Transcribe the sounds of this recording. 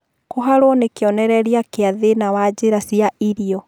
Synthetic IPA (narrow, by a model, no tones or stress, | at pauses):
koɦaɾwɔnekeɔnɛɾɛɾiakeaðenawad͡ʑeɾasiaiɾiɔ